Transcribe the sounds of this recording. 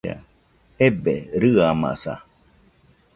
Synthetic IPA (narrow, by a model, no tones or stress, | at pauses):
a̰ | ebeɾɨama̰sa̰